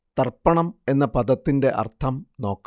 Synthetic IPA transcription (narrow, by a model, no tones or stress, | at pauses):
t̪ɐrpːɐɳɐme̞nːɐpɐd̪ɐt̪ːinde̞ʔɐ̰rt̪ʰɐmno̞ːkː